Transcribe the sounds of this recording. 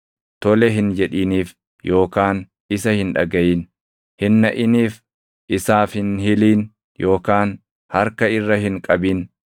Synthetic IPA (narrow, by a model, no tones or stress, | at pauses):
t̪ɔlɛɦɪnd͡ʒɛᶑiːniːf | jʔo̞ːkaːn | ɪs̬ɐhɪnᶑɐ̰ɡɐjiːn | hɪnːɐʔɪniːf | ʔɪsaːfhɪnhɪliːn | jʔo̞ːkaːn | hɐɾkɐɪrːɐhɪŋkʼɐbiːn